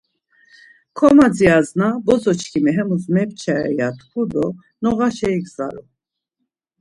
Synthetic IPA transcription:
kʰɔmad͡ziaznabɔzɔt͡ʃʰkʰimɛɦɛmusmɛpt͡ʃʰɛɛ̰jat̪ʰkʰud̪ɔ | nɔʁaʃɛikʰzaɾu

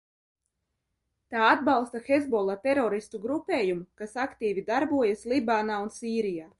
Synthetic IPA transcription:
t̪aːad̪balˠst̪axezbɔlˠat̪ɛɾɔɾist̪uɡɾupʲeːjumukasakt̪iːvid̪aɾbuɔjaslibaːnaːunsiːɾijaː

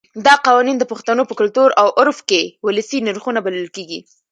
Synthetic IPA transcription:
d̪ɑqɑwɑnind̪əpʊxt̪anopəkʊlt̪uɾawʔʊɾfkewʊləsinaɾxunabaləlkeɡi

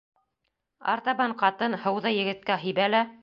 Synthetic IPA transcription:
ɑ̰ɾt̪ɑβɑɴqɑt̪ɤnhɤ̆wðɤjɘ̆ɡɘ̆t̪̚kæɦɘ̆jbælæ

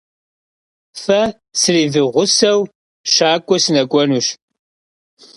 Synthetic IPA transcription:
fɐ | sɨriːvɨʁʷʊsɐw | ʃaːkʷʼɔsɨnɐkʷʼɔnuːʃ

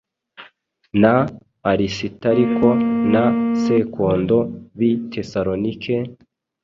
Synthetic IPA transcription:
naː | ɾisitaɾikʰo̞nase̞kʰo̞ːndo̞βitʰe̞saɾonikʰe

